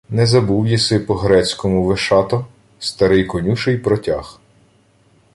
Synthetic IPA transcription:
nɛzɐbuwjisɪpɔɦɾɛt͡sʲkɔmʊʋɪʃɑt̪ɔ | st̪ɐɾɪjkɔnʲuʃɪjpɾɔtʲax

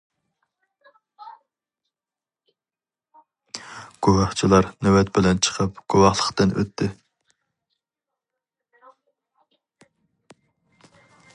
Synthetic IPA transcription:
ɡ̥owɑχt͡ʃʰilˠɑɾnøwɛt̪bɪlɛnt͡ʃʰə̥qʰəpɡ̥owɑχlˠəqt̪ɨnʔø̰t̪ʰːɪ

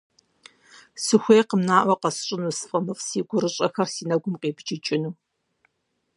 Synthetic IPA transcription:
sɨxʷeːqəmnaːʔʷɐqɐsɕʼɪnuːsfʼɐmɨfsiːɡʷʊɾɨɕʼɐxɐrsiːnɐɡʷʊmqeːbt͡ʃɪt͡ʃʼɪnuː

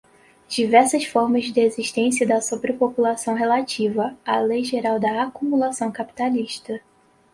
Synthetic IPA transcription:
d͡ʒivɛɾsɐsfɔɾmɐzd͡ʒ̪ɪeziʃt̪ẽsiɐd̪ɐsobɾɪpopulasɐ̃w̃ɦelat͡ʃivɐalejʒeɾawd̪ɐakumulasɐ̃w̃kapi̥t̪aliʃt̪ɐ

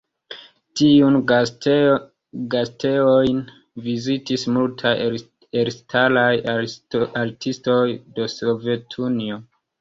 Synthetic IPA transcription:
tiun | ɡasteojn | vizitismultʰaj | eɾstʰalaj | aɾtʰisto̞jde̞sovetʰunio

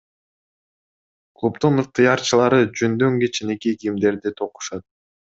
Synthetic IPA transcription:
klˠupt̪unɯq̚t̪ɯjɑɾt͡ʃɯlˠɑɾɯd͡ʒønd̪øŋɡet͡ʃinekiɡimd̪e̞ɾd̪it̪ʰo̞qu̥ʃɑt̪̚

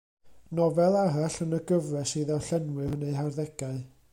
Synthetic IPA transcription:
nɔvɛlˠaɾaɬənəɡəvrɛsiðaɬɛnwɨneɨɦarðɛɡ̥aɨ

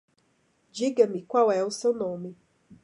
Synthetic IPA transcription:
d͡ʒiɡamikʷwawɛusewnõmi

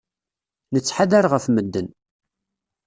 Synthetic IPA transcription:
nət͡sːħaðæɾʁəfməd̪ːən

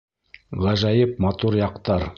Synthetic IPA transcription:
ʁɑʒɑjɤp̚mat̪uɾjɑqt̪ɑɾ

